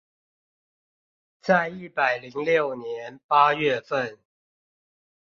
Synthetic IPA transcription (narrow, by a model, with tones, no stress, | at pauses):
t͡sa˥˧ɪi˥˩pa˨˩ɪli˨˦ŋljo˥˨ʊnjɛ˨˦npa˦ɥɛ˥˨fə˥˨n